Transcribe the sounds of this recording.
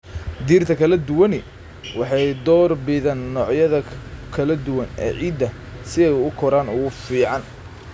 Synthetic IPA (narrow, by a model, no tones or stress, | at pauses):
d̪iːrt̪ʰɐkʰɐlɐd̪ʊwɐnɪ | wɑħɑjd̪ɔːrbɪðaːnːɔːʕjɐðɐkʰɐlɐd̪ʊwɐnɛ̰ːʕiːd̪ːɐ | sɪɛjʊkʰɔɾaːnʊʊfiːʕɑn